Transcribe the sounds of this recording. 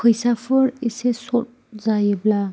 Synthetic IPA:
kʰɔjsapʰɯɾisesɔt̚zajbla

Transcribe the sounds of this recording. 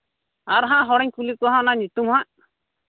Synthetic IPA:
aɾɦãʔɦɔɽɛɲkulikɔɦãnaɲut̪umhãʔ

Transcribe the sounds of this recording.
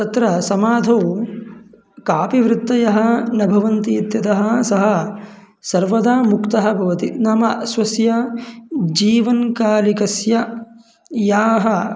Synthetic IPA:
t̪ɐt̪ɾɐsɐmaːd̪ʱɐw | kaːpiʋɾɪt̪ːɐjɐɦɐ̆nɐbʱɐʋɐnt̪iːt̪jɐt̪ɐɦɐsɐɦɐ | sɐɾʋɐd̪aːmukt̪ɐɦɐ̆bʱɐʋɐt̪inaːmɐsʋɐsjɐ | d͡ʒiːʋɐnkaːlikɐsjɐ | jaːɦɐ

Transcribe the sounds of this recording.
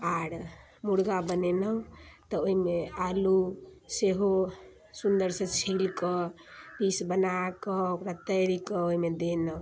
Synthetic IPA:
aɾ | muɽɡabənenə̃t̪ɔoɦimealuseɦo | sund̪əɾsẽt͡ʃʰilkəpisbənakəpɾət̪əɾikəoɦimed̪enə̃

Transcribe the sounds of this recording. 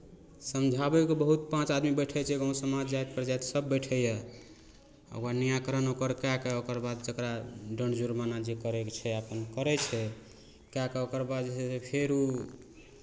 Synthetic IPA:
səmd͡ʒʱabɛkobəɦut̪̚pãt͡ʃad̪mibəjʈʰɛt͡ʃʰɛɡõsəmad͡ʒd͡ʒajt̪̚pɾd͡ʒajt̪səbːəjʈʰɛjɛ | ə̰anijakəɾənokəɾkakɛokəɾbad̪̚d͡ʒəkɾaɖəɳd͡ʒuɾmanad͡ʒekəɾɛkt͡ʃʰɛapənkəɾɛt͡ʃʰɛ | kakeokəɾbad̪d͡ʒɛsepʰeɾu

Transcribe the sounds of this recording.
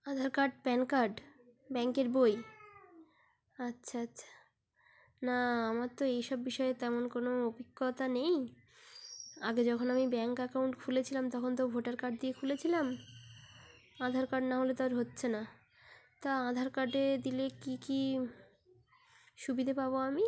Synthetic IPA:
ãd̪ʱaɾkaɾɖpɛnkaɾɖ | bɛŋkeɾboj | atːɕʰaatːʰḁ | naamaɾt̪oejʃɔbbiʃɔet̪ɛmonkonoobikːot̪anej | aɡed͡ʑɔkʰonamibɛŋkɛkawɳʈkʰulet͡ɕʰilamt̪ɔkʰont̪̬obʱoʈaɾkaɾɖ̚d̪iekʰulet͡ɕʰilam | ãd̪ʱaɾkaɾɖnaɦolet̪aɾɦotːɕʰena | t̪aãd̪ʱaɾkaɾɖed̪ilekiki | ʃubid̪ʱapaboami

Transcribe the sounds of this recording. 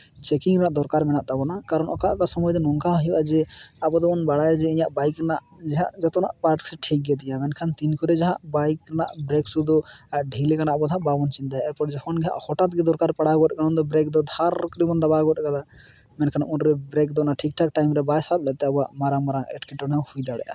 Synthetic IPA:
t͡ʃɛkiŋɾanaʔd̪ɔɾkaɾmɛnaʔt̪abɔnakaɾɔnɔkaʔkasɔmɔjd̪ɔnɔŋkaɦɔjuʔad͡ʒɛabɔd̪ɔɔnbaɽajd͡ʒɛĩɲaʔbajkːanaʔ | d͡ʒɛɦaʔd͡ʒɔt̪ɔna̰ʔpaɾʈsɛʈʰik̚ɡɛd̪ijamɛnkʰant̪inkʰɔɾɛd͡ʒaɦaʔbajkɾanaʔbɾɛksud̪ɔaɖʱilɛkanaʔabɔd̪ʱaʔbabɔnt͡ʃint̪ajɛɾpɔʈd͡ʒɔkʰɔnɡɛja̰ʔhɔʈat̪̚ɡɛd̪ɔɾkaɾpaɽaɡɔɾɛkanɔnd̪ɔbɾɛk̚d̪ɔd̪ʱaɾkɔɾibɔnd̪abaɡɔɾɛɡala | mɛnkʰanaʔunɾɛbɾɛk̚d̪ɔnaʈʰik̚ʈʰak̚ʈajmɾɛbajsat̪̚lɛt̪ɛabɔaʔmaɾaŋmaɾaŋɛ̰ʈkɛʈːɔnahujd̪aɽɛ̰ʔa̰

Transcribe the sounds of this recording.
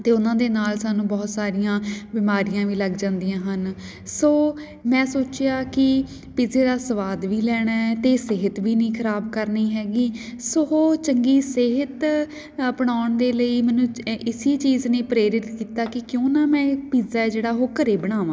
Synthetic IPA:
t̪eːʊnãːd̪eːnaːlsaːnũːbɔːt̪saːɾɪjãːbɪmaːɾijãːʋiːləɡd͡ʒãːnd̪ijãːɦən | soː | mɛ̃ːsoːt͡ʃjaːkɪ | piːzeːd̪aːsəʋaːd̪ʋiːlɛːɽ̃aːɛːt̪eːsɪɦət̪ʋiːnĩːkʰəɾaːbkəɾniːɦɛːɡiːsoːoːt͡ʃəŋɡiːsɪɦət̪ | pəɽ̃aːʊɳd̪eːləiːmɛːnũːʔɪsiːt͡ʃiːzneːpɾeːɾɪt̪kiːt̪aːkɪkjõːnaːmɛ̃ːpiːzaːɛːd͡ʒeːɽaːɦoːkəɾeːbəɽ̃aːʋãː

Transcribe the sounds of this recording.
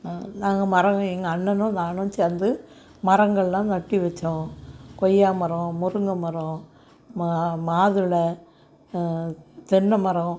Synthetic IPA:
naːŋɡɐmɐɾɐŋɡɐ̃ɛŋɡɐːɳːɐnʊ̃naːnõːt͡ʃɛnd̪ɯ | mɐɾɐŋɡɐɭlãːt̪ɐʈːiʋɛt͡ʃːõkɔjːaːmɐɾõmʊɾɯŋɡ̪ɐmɐɾõ | mmaːðɯɭɐ | t̪ɛɳːɐmɐɾɐ̃

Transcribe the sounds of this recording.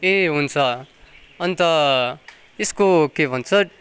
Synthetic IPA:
eɦunt͡sʰʌ | ʌnit̪ʌ | eskokebʱʌnt͡sʰʌ

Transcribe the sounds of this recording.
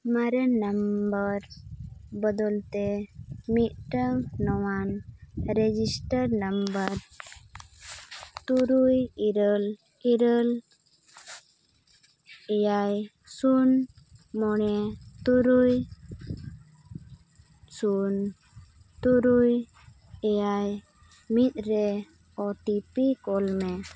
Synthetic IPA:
maɾənəmbəɾ | bɔd̪ɔlt̪ɛmit̪̚ʈəŋnɔwanɾɛd͡ʒisʈəɾnəmbəɾ | t̪uɾujiɾəl | iɾəl | ɛjaj | sun | mɔnɛt̪uɾuj | sun | t̪uɾuj | ɛjaj | mit̪̚ɾɛ | ɔʈipikɔlmɛ

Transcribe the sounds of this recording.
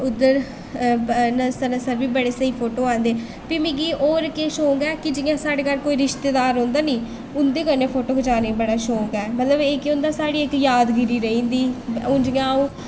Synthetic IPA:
ʊd̪əɾ | nəsəɾəsəɾbiːbəɽeːsəiːpʰoːʈoːãːnd̪eː | piːmɪ̃ːɡiːʔoːɾkeːʃoːɡɛːkɪd͡ʒɪjãːsaːɽeːkəlkoːiːɾɪʃt̪eːd̪aːɾɦõːnd̪aːniː | ʊnd̪eːkəɾneːpʰoːʈoːkʰd͡ʒaːneːbəɽaːʃoːɡɛːmət̪ləbeːkeʊ̃nd̪aːsaːɽiːɪkjaːd̪ɡɪɾiːɾəĩːnd̪iːõːd͡ʒɪãːõ

